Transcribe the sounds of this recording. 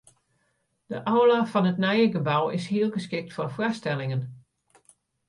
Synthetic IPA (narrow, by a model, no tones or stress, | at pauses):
d̥əʔɔwlafɑnətnɛjəɡəbawɪshiəlˠɡəskɪk̚tfʊrfrastɛlˠɪŋən